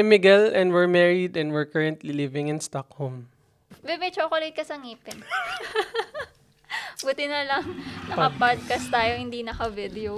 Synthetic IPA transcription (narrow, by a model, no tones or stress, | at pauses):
ɛmɪɡɛlɛ̃nd̪wɛɹmɛɹid̪ɛ̃nd̪wɛɹkɐɹɐ̃nt̪lilɪvɪ̃ŋɪ̃nst̪akhom | bɛmɛt͡ʃoːkolejt̪̚kɐsɐŋiːpɛn | buːt̪ɪnɐlɐŋnɐkɐpad̪̚kɐst̪aːjohɪnd̪inɐkɐvɪd̪ɛo